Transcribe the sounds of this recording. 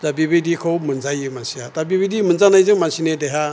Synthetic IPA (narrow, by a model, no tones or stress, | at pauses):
zabibidikʰowmɨnd͡zajimasiatabibidimɨnd͡zanajzɨŋmansinedeɦa